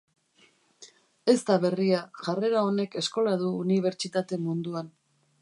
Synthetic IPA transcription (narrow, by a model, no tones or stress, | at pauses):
e̞st̪aβe̞riaʝare̞ɾao̞ne̞ke̞sko̞lað̞uːniβ̞e̞ɾt͡ʃit̪at̪e̞mund̪uan